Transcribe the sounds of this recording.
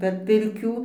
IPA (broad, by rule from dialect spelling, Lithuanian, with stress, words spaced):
pʲɛr ˈpʲɪrʲkʲuː